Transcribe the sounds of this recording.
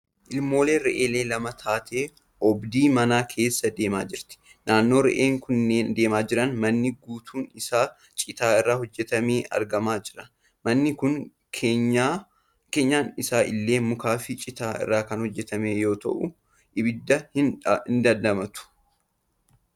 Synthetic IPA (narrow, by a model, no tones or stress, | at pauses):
ʔɪlmo̞ːleːɾɛʔeːle̞ːlɐmɐt̪ʰaːt̪ʰe̞ː | ʔɔbd̪iːmɐnaːkʰe̞ːsːɐd̪e̞ːmaːd͡ʒɪɾt̪ɪ̥ | naːnːo̞ːɾɛ̰ʔeːŋkʰʊnːeːnd̪e̞ːmaːd͡ʒɪɾɐnmɐnːɪɡuːt̪ʰuːnɪsaː | t͡ʃʼɪt̪aːɪrːaːhɔd͡ʒːɛt̪ɐmeːʔɐ̰ɾɡɐmaːd͡ʒɪɾɐ | mɐnːɪkʊn | kʰːa | keːɲːaːnɪsaːʔɪlːe̞ːmʊkaːfɪt͡ʃʼɪt̪aːɪ̰rːaːkɐnhɔd͡ʒːɛt̪ɐmeːjo̞ːt̪ɐ̰ʔʊ | ʔɪbɪd̪ːɐhɪnɪnd̪ɐnd̪ɐmɐt̪ʊ̥